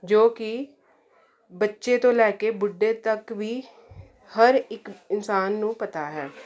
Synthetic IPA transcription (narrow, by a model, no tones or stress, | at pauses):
d͡ʒoːkɪ | bətːʃeːt̪õːlɛːkeːbʊɖːeːt̪əkʋiː | həɾɪkɪnsaːnːũːpət̪aːɦɛː